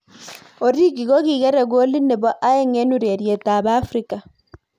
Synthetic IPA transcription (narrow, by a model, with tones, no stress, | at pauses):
o˨ɾi˦ɣi˨ɣɔ˦ɣiː˨ɣɛ˦ɾɛ˨ɣo˦li˦ne˨βɔ˦ʔa˦e˦ŋe˦nuɾe˨ɾje˨ta˨βa˦fɾika˨